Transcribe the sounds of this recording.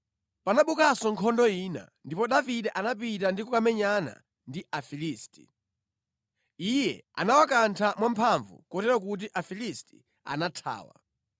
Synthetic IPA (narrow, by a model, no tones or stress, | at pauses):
panaɓukasɔŋkʰɔndɔiːna̰ndipɔɗaviɗɛʔanap̬itandikɔkamɛɲana̰ | ndiʔafiliːsti̥ | ijɛa̰nawakantʰamwam̩pʰaɱvṵkɔtɛɾak̬ut̬iʔafilisti | a̰natʰa̰ːwa̰